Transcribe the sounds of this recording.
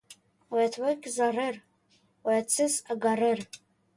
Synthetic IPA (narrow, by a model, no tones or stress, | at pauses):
wajatʰwakʲʰʼzarɨr | wajat͡sʰɨzaɡarɨr